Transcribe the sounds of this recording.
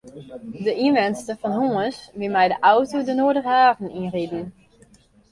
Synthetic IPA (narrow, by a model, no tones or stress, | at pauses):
dəʔinʋɛnstəfɔnɦuəsʋɪlˠmɛjdəʔawtodənoədəχəaːvən̩inridn̩